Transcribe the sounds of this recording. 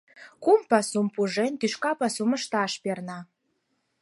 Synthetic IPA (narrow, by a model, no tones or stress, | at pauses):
kumpɑsumpuʒent̪yʃkɑpɑsumə̆ʃt̪ɑʃpernɑ